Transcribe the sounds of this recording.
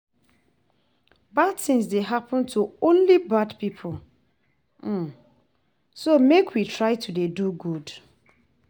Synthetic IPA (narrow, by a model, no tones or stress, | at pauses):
badtɪ̃ŋsdeɦapʰə̃ntʰuõnlibadpipʰʊl | somekʰwitʰɹaɪtʰudeduɡud